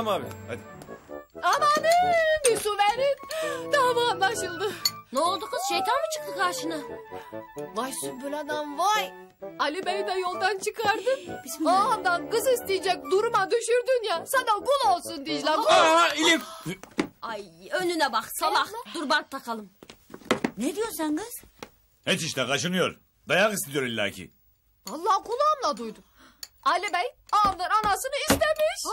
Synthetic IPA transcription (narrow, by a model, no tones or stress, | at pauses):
ma | amanibisuvɛnint̪amɯːnlˠaʃɯlˠd̪ɯnolˠd̪uqɯz̥ʃejt̪ʰanmɯt͡ʃʰɯ̥q̪ɯkʰaːʃɯnɯ | vaʃsubuɾad̪anvaj | alʲibenid̪ɛjo̞lˠd̪ant͡ʃʰɯkaɾd̪ɯand̪anɡɯzist̪ijd͡ʒɛk̚ʲd̪uɾumad̪yʃyɾd̪ynjasand̪aɡulˠolˠsund̪id͡ʒlʲaailʲip | ajønynɛbaχsabaxd̪uɾbaɾ̚t̪ʰːakʰalˠɯm | ned̪ijoɾsanɡɯz̥ | het͡ʃiʃt̪ɛkʰaʃɯnɯjo̞ɾ | d̪ajakist̪id̪ijo̞ɾilʲːa̰ːcʰḭ | valˠːaːkulˠaːmlˠad̪ujd̪u | alʲibɛjaːmlˠaɾanasɯnɯist̪emiʃ